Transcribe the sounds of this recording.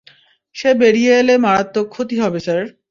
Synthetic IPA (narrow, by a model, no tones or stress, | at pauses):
ʃebeɽijeelemaɾat̪ːokʰːot̪iɦɔbesaɾ